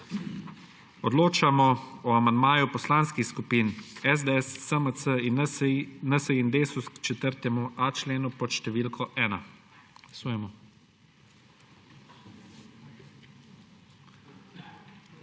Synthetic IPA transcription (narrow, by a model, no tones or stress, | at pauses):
ɔd̪loːt͡ʃamɔɔamand̪maːjupɔslaːnskixskupiːnɛzd̪əɛsːəməəinnəsəind̪eːsuskt͡ʃɛt̪əɾt̪ɛmuʔat͡ʃleːnupɔt̪ʃt̪ɛʋiːlkʰɔʔɛːna | suːjɛmɔ